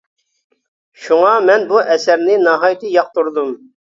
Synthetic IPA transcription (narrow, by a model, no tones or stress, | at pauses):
ʃuŋɑmɛnbuʔɛsæɾnɪnɑɦɑjt̪ʰɨjɑq̚t̪uɾd̪um